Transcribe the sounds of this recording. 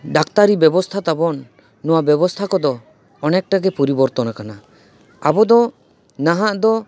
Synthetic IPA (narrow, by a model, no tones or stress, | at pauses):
ɖakt̪aɾibɛbɔst̪ʰat̪abɔnː | ɔwabjɛbɔst̪ʰakɔd̪ɔː | nɛk̚ʈaɡɛpɔɾibɔɾt̪ɔnakana | abɔd̪ɔ | naɦaʔd̪ɔ